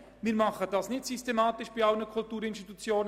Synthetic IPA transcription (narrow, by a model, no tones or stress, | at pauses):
miːɾmɑχəd̥ɑsnɪçtsystemɑːt̪ɪʃb̥iːaʊnəkʰʊltuːɾɪnstit̪ut͡sjoːnə